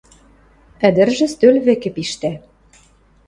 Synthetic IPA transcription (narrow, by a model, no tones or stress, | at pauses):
ɘ̆d̪ɘ̆rʒɘ̆st̪ølβĕkɘ̆piʃt̪æ